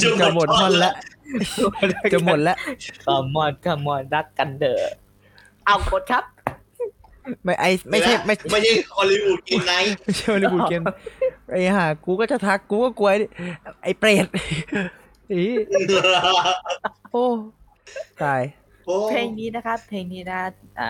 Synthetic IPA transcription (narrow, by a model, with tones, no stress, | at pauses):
t͡ɕa˨˩mo˨˩t̪̚ːmɔː˧˩nlɛ˦˥ʔ | t͡ɕa˨˩mo˨˩t̪̚lɛ˦˥kʰa˧˩mːɔː˧˩nkʰa˧˩mːɔː˧˩nɾa˦˥kːa˧ndɤː˨˩ | ʔa˧˩wkʰo˨˥t̪̚kʰa˦˥p̚ | ma˥˩jʔa˧jma˥˩jʰa˥˩jma˥˩jma˥˩jt͡ɕʰa˥˩jɔː˧li˧ʔuː˨˩t̪̚ki˧nːa˦˥jma˥˩jt͡ɕʰa˥˩ɔ˧liː˧uː˨˩ke˧nʔa˧˩jhaː˧˨˩kuː˧kɔː˥˩t͡ɕa˨˩t̪ʰa˦˥kːuː˧kɔː˥˩ku˧ɐʔʔa˧˩jpleː˨˩t̪̚ | ʔiː˧˥˩ | ʔoː˧˩ | tʰaː˧˩j | pʰeː˧ŋniː˦˥na˦˥kʰa˦˥p̚pʰeː˧ŋniː˦˥na˦˥ʔa̰ː˨˧˩